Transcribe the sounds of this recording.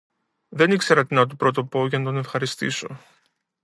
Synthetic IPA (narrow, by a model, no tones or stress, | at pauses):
ðe̞nikse̞ɾɐt̪inɐt̪̬upɾo̞t̪opo̞ʝɐnɐt̪o̞ne̞fxɐɾist̪ḭso̞